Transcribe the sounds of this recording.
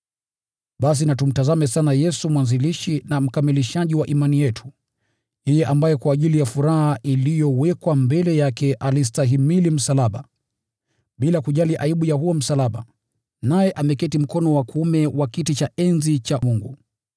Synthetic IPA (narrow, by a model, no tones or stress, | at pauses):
ɓas̬inatum̩tazamɛsanajɛsumwanziliʃinam̩kamiliʃaʄiwaʔimanijɛtʰu̥ | hɛjɛʔambajɛkwaːʄilijafuɾaɦaʔilijɔwɛkwambɛlɛjakɛʔalistaɦimilim̩salaɓa | ɓilakuʄaliʔaiɓujahuɔm̩salaɓa | najɛʔamɛkɛtim̩kɔnɔwakuumɛwakitit͡ʃaɛnzit͡ʃamuŋɡu